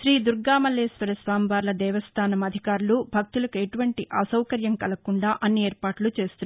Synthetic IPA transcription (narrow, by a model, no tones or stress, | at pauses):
ʃɾiːd̪uɾɡaːmɐlːeːsʋɐɾɐsʋaːmʋaːɾlɐd̪ɛːʋɐst̪ʰaːnɐmɐd̪ʱikaːɾulubʱɐk̚t̪ulɐkueʈuʋɐɳʈiʔɐsɐwkɐɾjɐmkɐlɐkuɳɖaːʔɐnːieːɾpaːʈulut͡ʃe̞ːst̪un